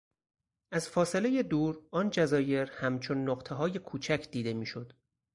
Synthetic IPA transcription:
æzfɒːse̞le̞je̞d̪uːɾɒːnd͡ʒæzɒːje̞ɾhæmt͡ʃʰo̞nːoɢt̪ʰeɦɒːje̞kʰuːt͡ʃʰæcʰd̪iːd̪e̞miːʃo̞d̪̥

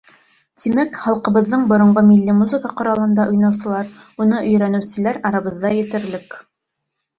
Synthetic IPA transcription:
t̪imækχɑlˠqɤ̆βɤ̆ðːɤɴbŏɾŏɴɢɤmilːimuzɘ̆kəqŏɾɑlˠɤ̆nd̪ɑʔŏjnɑwsɤ̆lˠɑɾ | unɤʔɵ̆jɾænɘ̆wsɘ̆læɾɑɾɑβɤ̆ðːɑjɘ̆t̪ɘ̆ɾlɘk

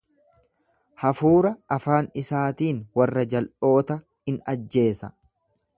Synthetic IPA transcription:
hɐfuːɾɐɐfaːnɪsaːt̪iːnwɐrːɐd͡ʒɐlʔo̞ːt̪ɐ | hɪnɐd͡ʒːe̞ːsɐ

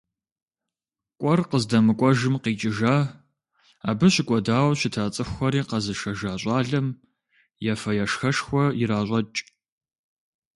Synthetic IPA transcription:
kʷʼɔrqəzdɐmɨkʷʼɔʒɨmqiːt͡ʃʼɪʒaː | aːbɨɕɪkʷʼɔdaːwɕɪtʰaːt͡sʼɨxʷɐɾiːqɐzɨʃɐʒaːɕʷʼɑːɮɐm | jɛfɐjɐʂxɐʂxʷɔjɪɾaːɕʷʼɐt͡ʃʼ

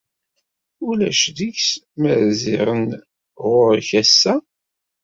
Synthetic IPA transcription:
ulæ̰ʃðiçs | mæðziɾˤən | ʁʊɾçæsːæ

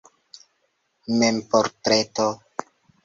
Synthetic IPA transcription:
mempoɾtɾeto

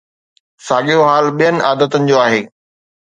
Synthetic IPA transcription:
saːɠijoɦaːlɓijənɪ̆ʔaːd̪ət̪ənɪ̆d͡ʑoːaːɦeː

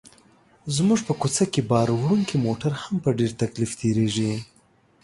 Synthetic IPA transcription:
zmuʐpəkot͡sakebɑɾwɾuŋkimoʈaɾhampəɖeɾt̪aklift̪ʰeɾeʐi

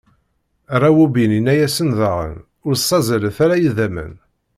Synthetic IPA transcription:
rˤawubininːæjæsənðəʁə̰n | ʊɾsˤːɑzələθæɾæjiðæmə̰n

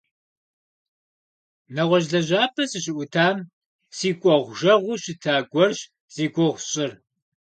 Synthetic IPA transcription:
nɐʁʷɔʑɮɐʑaːpʰɐsɨɕɪʔʷʊtʰaːm | siːkʷʼɔʁʷʒɐʁʷʊɕɪtʰaːɡʷɔrɕ | z̥iːɡʷɔʁʷɕʼɪr

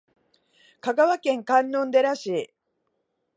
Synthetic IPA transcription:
kaɡaβakẽ̞ŋkãnːõ̞nd̪e̞ɾaɕiː

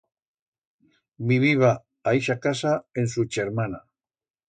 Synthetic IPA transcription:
miβiβaː | jʃakasaensut͡ʃeɾmana

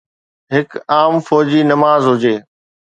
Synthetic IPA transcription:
ɦɪkaːmfɔːd͡ʑiːnɐmaːzɦʊd͡ʑeː

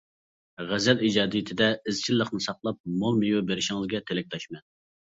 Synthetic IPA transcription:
ʁæzɛlid͡ʒɑːd̪ijit̪ʰɪd̪ɛɪzt͡ʃʰilːəχnɨsɑqlˠɑp̚momijubeɾɪʃɪŋlzˠɨɡʲɛt̪ʰelɪk̚ʲt̪ʰɑʃmɛn

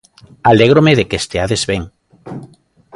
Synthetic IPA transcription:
aleɣ̞ɾomeðekest̪eaðezβeŋ

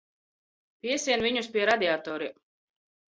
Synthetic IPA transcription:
piɛsiɛnviɲuspiɛɾad̪ʲiat̪ɔːɾi

